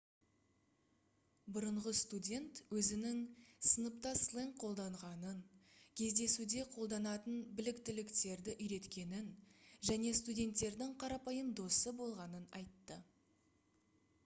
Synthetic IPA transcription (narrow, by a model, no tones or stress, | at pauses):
bʊɾəɴʁəst̪udʲe̞nt̪wɵzɪnɪŋsənəpt̪ɑslˠeŋqʰo̞lˠd̪ɑɴʁɑnənkʲʰe̞zd̪e̞sud̪e̞qʰo̞lˠd̪ɑnɑt̪ənbɪlɪkt̪ɪlɪkt̪e̞ɾd̪ɪʔʏjɾe̞t̪kʲe̞nɪnʒæne̞st̪udʲe̞nt̪ːe̞ɾd̪ɪŋqʰɑɾɑpɑjəmd̪o̞səbo̞lˠʁɑnənɑ̰jt̪ːə